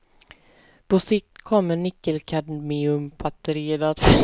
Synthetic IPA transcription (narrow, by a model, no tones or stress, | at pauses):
pʰɔsɪk̚t̪kʰɔmːəɳɪkːəlkʰad̪meːɵmpʰat̪ɾeːd̪aːt̪f